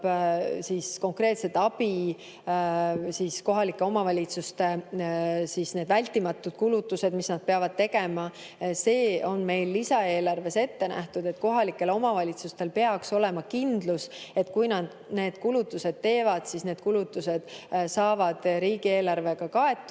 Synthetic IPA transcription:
sisko̞ŋkre̞ːt̪se̞t̪ːˑɑb̥i | sisko̞ɦɑlikːˑe̞o̞mɑvɑlʲit̪sust̪e̞ | sisne̞ːd̪vælʲt̪ːˑimɑt̪ːˑud̪̥kulut̪ːˑuse̞d̪misnɑd̪̚peɑvɑd̪̥̚t̪e̞ɡe̞mɑ | se̞ːo̞nme̞jlːisɑe̞ːlɑrve̞se̞t̪ːe̞nʔæ̰ht̪ud̪e̞t̪ːˑko̞ɦɑlikːˑe̞lo̞mɑvɑlʲit̪sust̪e̞lpe̞ɑkso̞le̞mɑkind̪̥luse̞t̪kujnɑd̪ | ne̞ːd̪̥kulut̪ːˑuse̞d̪̥̚t̪e̞ːvɑd̪̥sisne̞ːd̪̥̚kulut̪ːˑuse̞d̪̥sɑːvɑd̪̥ɾiːɡ̥ie̞ːlɑrve̞ɡ̥ɑkɑe̞t̪ːˑu

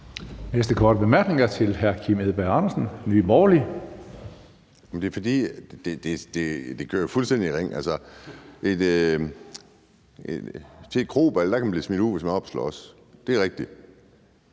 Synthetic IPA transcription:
nesd̥əkʰɒːd̥əb̥e̝mæɐɡ̥ne̝ŋɐt͡sʰe̝lɦæɐkʰimeðˠb̥æɑ̈nɐsn̩nyːb̥ɒːli | jmnd̥e̝ɐfɒd̥ḭːd̥ed̥e̝d̥e̝d̥e̝kʰø̰ɐjofulsd̥en̰d̥iʁeŋ̰ælsəʔed̥ | et͡sʰed̥̚kʰʁo̝̰ːb̥elɐd̥ɑ̈kʰæmæmb̥iːsmid̥uð̰ˠʋe̝smænɒ̽b̥slɒ̰ːs | d̥e̝æʁeɡ̥̚d̥i̥

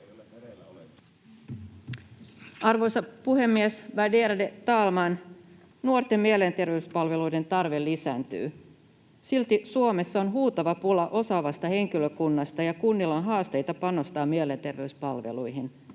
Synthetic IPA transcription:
ɑrʋo̞jsɑpuhe̞mːiesʋædeːɾɑde̞t̪ɑːlmɑn | nuo̞rt̪e̞mmielent̪e̞rʋe̞yspɑlʋe̞lujde̞nt̪ɑrʋe̞lːisæːnt̪y̰ː | silt̪isuome̞sːɑo̞nɦuːt̪ɑʋɑpulɑʔo̞sɑʋɑst̪ɑhe̞ŋk̟iløkunːɑst̪ɑjɑkunːilːɑnɦɑːst̪e̞jt̪ɑpɑno̞st̪ɑːmiele̞nt̪e̞rʋe̞yspɑlʋe̞̰lujɦin

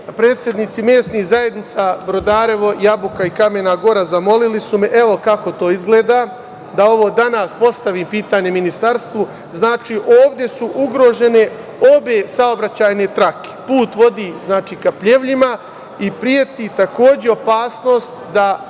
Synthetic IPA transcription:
pɾe̞ːt̪sʲje̞d̪nit̪simjeːsniɣzaje̞d̪nit̪sabɾo̞d̪aːɾe̞ʋo̞jabukaikame̞naɡo̞ɾazamo̞lilisumeʔe̞ʋo̞kako̞t̪o̞ːizɡle̞ːd̪aː | d̪ao̞ʋo̞ːd̪anaːspo̞st̪aʋiːmpiːt̪aːɲe̞minist̪aɾst̪ʋu | znaːt͡ʃiːʔoːʋd̪je̞suʔuɡɾo̞ːʒe̞ne̞ | o̞be̞sao̞bɾat͡ɕaːjne̞t̪ɾake̥puːt̪ʋo̞d̪iznaːt͡ʃiːkapʎe̞ʋʎima | ipɾie̞t̪iːt̪ako̞ːd͡ʑeo̞paːsno̞ːst̪d̪a

